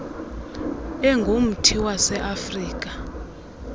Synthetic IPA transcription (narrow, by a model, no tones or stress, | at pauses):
ɛŋɡʱom̩tʰiwasɛʔafriːk̬ʼa